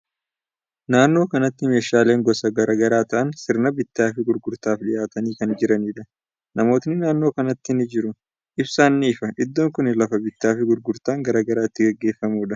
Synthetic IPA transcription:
naːnːo̞ːkɐnɐt̪ːɪme̞ːʃaːle̞ːŋɡɔsɐɡɐɾɐːɡɐɾaːt̪ɐʔɐnsɪɾnɐbɪt̪ːaːfɪɡʊɾɡʊɾt̪aːfᶑɪjʔaːt̪ɐniːkɐnd͡ʒɪɾɐniːᶑɐ | nɐmo̞ːt̪nɪnaːnːo̞ːkɐnɐt̪ːɪnɪd͡ʒɪɾʊ | ʔɪbsaːnːɪːfɐʔɪd̪ːoːŋkʊnɪlɐfɐbɪt̪ːaːfɪɡʊɾɡʊɾt̪aːŋɡɐɾaːɡɐɾaːɪt̪ːɪɡɐɡːe̞ːfːɐmuːᶑɐ

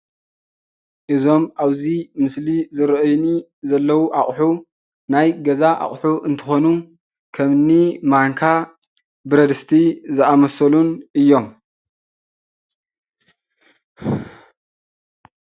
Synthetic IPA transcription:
ʔɨzo̞mʔaβzimɨslizɨɾʔɐjni | zɐlːɐwuʔaχʼħu | najɡɐzaʔa̰χʼħuʔɨnt̪ʰɨ̥xo̞nu | kʰɐmnimaŋkʰa | bɨɾɐd̪ɨst̪ʰizɨamɐsɐlunʔɨjːo̞m

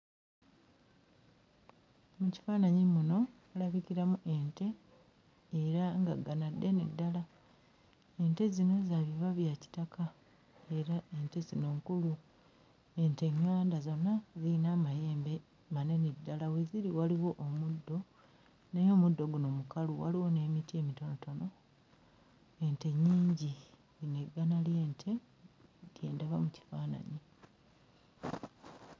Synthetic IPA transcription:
muci̥faːnaɲimuno̞ | alaβiciɾamuʔe̞ːnte̞ː | ɾaŋɡaɡanadːe̞nedːala | e̞nte̞zino̞zaβiβaβjaci̥takʰa | e̞ɾae̞nte̞zino̞ːŋkulu | e̞nte̞ɲːaːndazo̞nːaziinamajeːmbe | mane̞nidːalawe̞ziɾiwaliwo̞ʔːmudːo̞ | nejo̞ːmudːo̞ɡuno̞mukaluwa̰liwo̞ne̞ːmitie̞mito̞noto̞no̞ | e̞nte̞ɲiːɲɟi | ine̞ɡanalje̞ːntʰe̞ | ɾje̞̰ːndaβamuci̥faːna̰ɲi

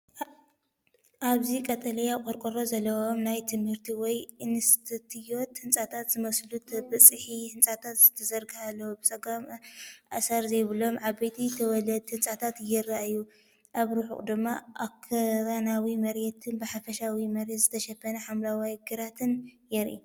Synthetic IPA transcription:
ʔaβzikʼɐt̪ʼɐlɐjakʼɔɾkʼɨɾozɐlːɐwomnajt̪ʰɨmhɨɾt̪ʰiwɔjɨnɨst̪ʰɨt̪ʰɨjot̪hɨnt͡sʼat̪ʰat̪zɨmɐslut̪ʰɐbɐt͡sʼɨħihɨnt͡sʼat̪ʰat̪z̥ɨt̪ʰɐzɐɾɡɨhalːɐwobɨt͡sʼɐɡamʔasaɾzɐjβɨlo̞mʕaβejt̪ʰit̪ʰɐwɔlɐd̪̚t̪ʰɨnt͡sʼat̪ʰat̪jɪraʔju | ʔaβɾuħṵχʼd̪ɨmːaʔakʰːɐɾanawimɐɾjɛt̪ʰɨnbɨħafɐʃawimɐɾjɛt̪zɨt̪ʰɐʃɐfːɐnɐħamlawajɡɨɾat̪ʰɨnjɛɾʔḭ

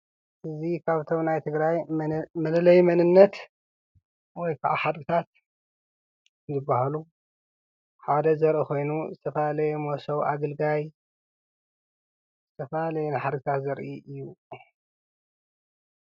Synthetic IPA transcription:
ʔɨzikʰaβt̪ʰo̞mnajt̪ʰɨɡɾajmɐlɨlɐjmɐnɨnːɐt̪ | wɔjkʰaʔaħad̪ɡɨt̪ʰat̪̚ | zɨbːahalu | ħad̪ɐzɐɾʔixo̞jnuzɨt̪ʰɐfɐalɐjɛmosɐwʔa̰ɡɨlɡaj | zɨt̪ʰɐfɐalɐjɛnɨħad̪ɡɨt̪ʰat̪zɐɾʔiʔɨjːu

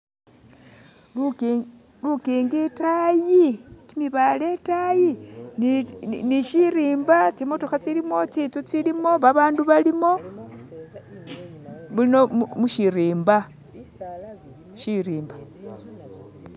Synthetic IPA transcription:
l | lukiːŋɡitajikimiβale̞tajinniʃiɾiːmbat͡simotuxat͡silimo̞t͡sit͡sut͡silimo̞βaβaːnduβalimo̞ | βulino̞muʃiɾiːmba | ʃiɾiːmba

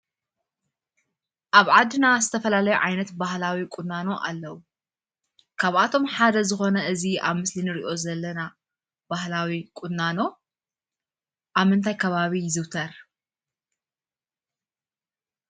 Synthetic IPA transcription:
ʔaβʕad̪ːɨnazɨt̪ʰɐfɐlalɐjuʕajnɐt̪bahlawikʼunːano̞ʔa̰lːɐwu | kʰaβʔat̪ʰo̞mħad̪ɐzɨxo̞nɐɨzia̰βmɨslinɨɾiʔo̞zɐlːɐna | b̥ahlawikʼunːano̞ | ʔaβmɨnt̪ʰajkʰɐβaβijɪzɨwt̪ʰɐɾ

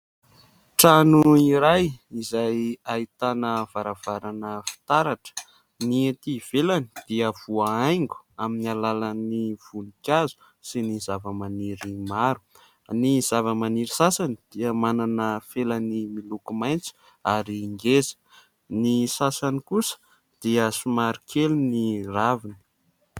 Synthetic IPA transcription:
ʈ͡ʂanuiɾajizajait̪anəv̥aɾavaɾanəfi̥t̪aɾaʈ͡ʂə̥ | niet̪iv̥elanid̪̥iəv̥uaajŋɡu̥aminalalaniv̥unikʲazu̥ | sinizavəmaniɾimaɾu̥ | niz̥avəmaniɾisasanid̪̥iəmananəfelanimilukumajnt͡si̥ | aɾiːŋɡezə̥ | nisasanikusə̥ | d̪̥iəsumaɾikʰeluniravini̥

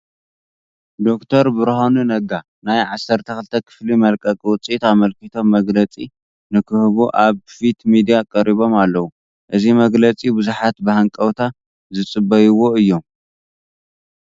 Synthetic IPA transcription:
d̪o̞kt̪ʰɐɾbɨɾhonunɐɡa | najʕasːɐɾt̪ʰɐxɨlt̪ʰɐkʰɨ̥flimɐlkʼɐkʼwʊt͡sʼit̪amɐlkit̪ʰo̞mːɐɡlɐt͡sʼi | nɨkʰɨhβuʔaβfit̪mid̪ijakʼɐɾiβo̞malːɐwu | ʔɨzimɐɡlɐt͡sʼibɨzuħat̪bɨhaŋkʼɐwt̪ʰa | zɨt͡sʼɨbːɐjiwo̞ɨjːo̞m

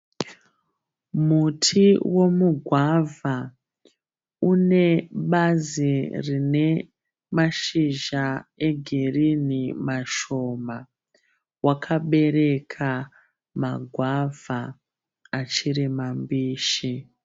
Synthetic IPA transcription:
mutʰiwo̞muɡʱwavʱa | une̞ɓazirine̞ | maʃiʒae̞ɡʱerinimaʃo̞ma | wakʰaɓe̞ɾe̞kʰa | maɡʱwavʱaː | t͡ʃiɾimambiːʃi

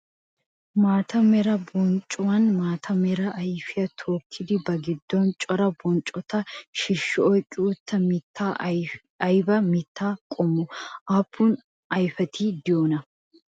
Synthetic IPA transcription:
maːt̪ɐmɛɾɐbɔnt͡ʃʼɔwɐnmaːt̪ʰɐmɛɾɐʔɐjfɪɐt̪ʰoːkʰːɪd̪ɪbɐɡɪd̪ːɔnt͡ʃʼɔɾɐbɔnt͡ʃʼɔt̪ɐʃɪʃːɔʔɔkʼɪuːt̪ːɐmɪt̪ːaː | ɐjbɐmɪt̪ːaːkʼɔmːʊʔɐpːuːn | ɐjfɐt̪ʰiːd̪ɪjoːnɐ

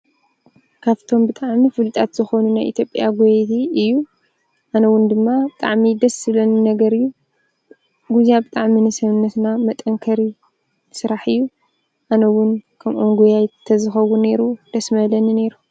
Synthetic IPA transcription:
kʰaβt̪ʰo̞mbɨt̪ʼaʕmifɨlɨt̪ʼat̪z̥ɨxonunajʔḭt̪ʰjo̞pʼjaɡojt̪ʰiɨjːu | ʔanɐwʊnd̪ɨmːabɨt̪ʼaʕmid̪ɐsɨlɐnnɐɡɐɾɨjːu | ɡuzijabɨt̪ʼaʕminɨsɐβɨnːɐt̪namɐt̪ʼɐŋkʰɐɾi | sɨɾaħɨjːu | ʔanɐwʊnkʰɐmʔomɡujajt̪ʰːɐzɨxɐwune̞ɾud̪̥ɐsmɐlɐnine̞ɾu

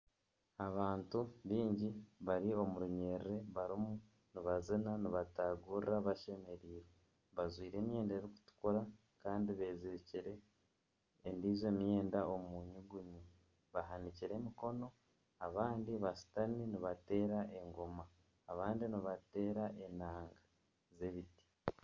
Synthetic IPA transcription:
aβaːntuβiːɲɟiβaɾio̞muɾuɲe̞ːɾiɾe̞βaɾimu | niβazinaniβataɡuɾɾaβaʃe̞me̞ɾiːɾe | βazwiːɾe̞ːmje̞ːndaeɾiku̥tu̥koɾa | kaːndiβe̞ːzeciɾe̞ː | ndiːzwe̞ːmje̞ːndao̞muɲuɡuɲi | βaɦaniciɾe̞miko̞no̞ | aβaːndiβasi̥taniniβate̞ːɾaʔe̞ŋɡomaː | βaːndiniβate̞ːɾaʔe̞naːŋɡa | ze̞βiti̥

